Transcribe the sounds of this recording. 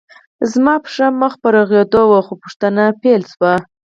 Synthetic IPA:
zmɑpʂaməxpəɾaɣjed̪owaxopʊʂt̪anapelswa

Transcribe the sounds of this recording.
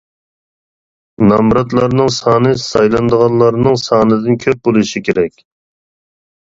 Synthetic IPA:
nɑmɾɑt̪lˠɑɾnɨŋsɑːnɨsɑjlˠɑnd̪əʁɑnlˠɑɾnɨŋsɑːnɨd̪ɨnkʲʰøp̚bolˠɨʃikʲʰeɾɛkʲ

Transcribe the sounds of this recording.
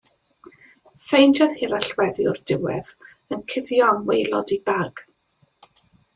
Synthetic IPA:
fejnd͡ʒɔðhɪɾaɬwɛðjʊ̰rdɪwɛð̥ | ənkʰɪðjɔnwejlˠɔ̰dibaɡ̥

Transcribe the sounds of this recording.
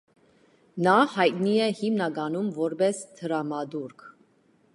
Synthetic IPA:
nɑhɑjt̪̚niɛhimnɑɡɑnumvɔɾbɛst̪ʰəɾɑmɑd̪uɾkʰ

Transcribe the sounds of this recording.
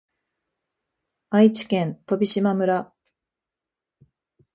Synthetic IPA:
ait͡ɕi̥kẽ̞nt̪o̞bʲiɕimamɯ̟ɾa

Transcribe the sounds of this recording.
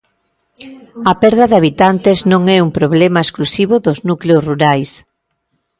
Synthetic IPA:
ɐpɛɾðɐðaβ̞it̪ant̪eznõŋɛumpɾoβ̞lɛmɐesklusiβoðʊznukleosruɾajs

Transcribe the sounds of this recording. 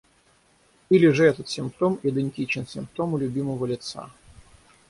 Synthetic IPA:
ilʲɪʐɨɛt̪ət̪sʲɪmpt̪omɪd̪ɨnʲtʲit͡ɕɪnsʲɪmpt̪o̞mʊlʲʊbʲiməvəlʲɪt̪sa̰

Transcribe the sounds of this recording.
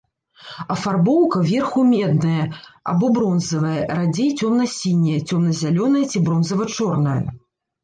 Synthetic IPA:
ɐfarbɔwkɐvʲɛrxumʲɛd̪nɐjɐa̰bɔbɾɔnzɐvɐjɐrad͡zʲejt͡sʲɔmnɐsʲinʲːɐjɛt͡sʲɔmnɐzʲalʲɔnɐjɐt͡sʲibɾɔnzɐvɐt͡ʂɔrnɐjɐ̰

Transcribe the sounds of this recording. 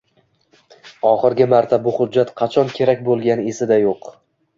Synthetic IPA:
ɒχɨɾɡʲɪmaɾt̪ʰabʊχʊd͡ʒːat̪qʰɑt͡ʃʰɒnkʲʰe̞ɾak̚ʲbolˠɡʲanɪesɪd̪ajoq

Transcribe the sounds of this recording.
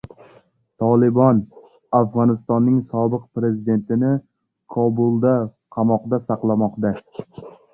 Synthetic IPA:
t̪ʰɒlɪbɒn | afʁɒnɪst̪ɒnːɪŋsɒbɨq̚pɾe̞zɪd̪e̞nt̪ɪnɪ | kʰɒbʊlˠd̪a | qʰɑmɒqd̪asɑqlˠamɒqd̪a

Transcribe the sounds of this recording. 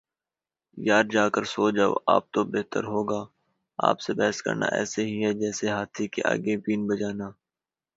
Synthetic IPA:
jaːɾd͡ʒaːkəɾsoːd͡ʒaːo̰ʔa̰ːp̚t̪obeɦt̪əɾɦoːɡaː | a̰ːpsebɛːəskə̰ɾna̰ʔɛ̰ːseɦiɦɛd͡ʒɛːseɦaːt̪ʰikḛʔa̰ːɡebiːnbɐd͡ʒaːnaː

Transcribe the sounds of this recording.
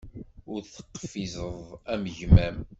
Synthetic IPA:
ʊɾθə̥qːə̥fizəðˤæmʝmæm

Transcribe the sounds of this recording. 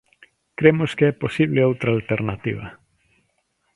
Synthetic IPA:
kɾemoskeɛposiβleowt̪ɾaːlt̪eɾnat̪ḭβɐ

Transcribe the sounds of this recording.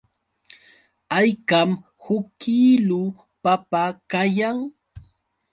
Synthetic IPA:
ajkam | hʊkilʊ | papakajaŋ

